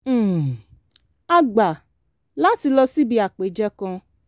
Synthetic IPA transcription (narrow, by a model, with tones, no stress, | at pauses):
a˧ɡ͡ba˨ | la˦ti˧lɔ˧si˦bi˧a˨k͡pe˨˦d͡ʒɛ˦kɔ̃˧